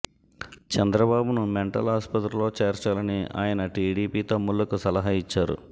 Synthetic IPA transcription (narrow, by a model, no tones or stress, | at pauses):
t͡ʃɛnd̪ɾɐbaːbunumeɳʈɐ̰lɦaːspɐt̪ɾulo̞ːt͡ʃe̞ːɾt͡ʃaːlɐnia̰ːjɐnɐʈiːɽiːpiːt̪ɐmːulːɐkusɐlɐɦait͡ʃːaːɾṵ